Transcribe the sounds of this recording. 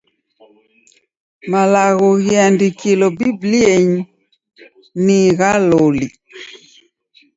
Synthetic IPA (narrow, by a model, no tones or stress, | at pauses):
malaɣɔɣiandikilɔbiblieɲi | niɣaloli